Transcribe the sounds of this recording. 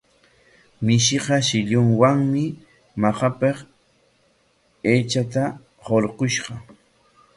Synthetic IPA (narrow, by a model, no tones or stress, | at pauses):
mɪʃɪqɑʃɪʎʊŋwaŋmɪ | mɑχɑpeχ | eːt͡ʃat̪a | ɢolqoʃɢɑ